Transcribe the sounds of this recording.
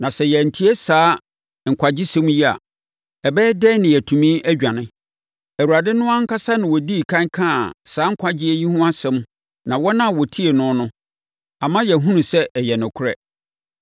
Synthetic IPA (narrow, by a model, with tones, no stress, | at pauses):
nã˨sɛ˨jɛ˨n̩˨tʰi˦e˦saː˨˦ | ŋ̩˨kʷʰa˨d͡ʑɪ˦sɛ̃˦m˦ji˦a̰˨ | ɛ˨bɛː˦dɛ˦nɪ̃˨jɛ˨tʰũ˨mĩ˦ʔæ˦d͡ʑᶣã˨nɪ̃˦ | æ˨wu˨ɾa˨dɪ˦nʊ̃˦a˦ŋ̩˦kʰa˦sa˦nɪ̃˨wɔ˨di˦˨kʰã˦kʰã˦˨saː˨˦ŋ̩˦kʷʰa˦d͡ʑɪ˦e˦ji˦hũ˦a˦sɛ̃˦m˦ | nã˨wɔ˦nã˦˨wɔ˨tʰi˦e˨nʊ̃˦nʊ̃˦ | ã˨mã˦jɛ˨ɦũ˦nũ˨sɛ˦ʔjɛ˨nʊ̃˨kʰʊ˦ɾɛ̰˦